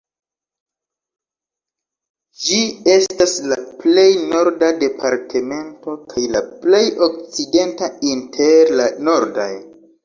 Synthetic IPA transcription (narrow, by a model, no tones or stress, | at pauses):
d͡ʒie̞staslaple̞jno̞ɾdade̞pʰaɾtʰe̞me̞nto̞kʰajlaple̞jo̞k̚t͡side̞ntaintʰe̞ɾlano̞ɾda̰j